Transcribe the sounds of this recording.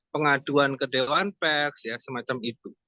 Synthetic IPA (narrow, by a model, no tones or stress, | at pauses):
pəŋaduankədewaanpɛksjasəmat͡ʃamit̪u